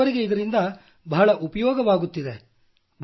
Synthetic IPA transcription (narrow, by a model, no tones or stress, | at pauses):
ɐɾiɡe̞id̪ɐɾind̪ɐ | bɐɦɐɭɐʔupɐjɔːɡɐʋaːɡut̪ːid̪e̞ | b